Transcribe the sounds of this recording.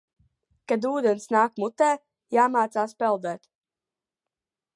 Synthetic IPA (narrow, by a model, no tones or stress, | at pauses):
kad̪uːd̪ɛnsnaːkmut̪ɛː | jaːmaːt̪saːspɛlˠd̪ɛːt̪